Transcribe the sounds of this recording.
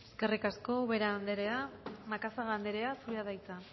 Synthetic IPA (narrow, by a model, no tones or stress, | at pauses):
eske̞rikasko̞βeɾand̪eɾeamakasaɣand̪e̞ɾe̞asuɾeaðajt͡sa